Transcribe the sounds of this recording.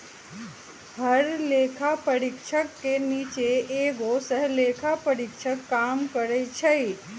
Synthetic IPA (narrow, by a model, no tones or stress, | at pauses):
həɾleːkʰapəɾɪkʃəkːeniːt͡ʃeeːɡosəɦleːkʰapəɾɪkʃʰəkːaːmkəɾet͡ʃʰɐi